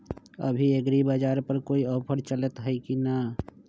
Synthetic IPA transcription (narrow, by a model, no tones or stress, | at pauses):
ə̰bʱieɡɾibad͡ʒaːɾpəɾkoːiəːpʰəɽt͡ʃələt̪ɦəikina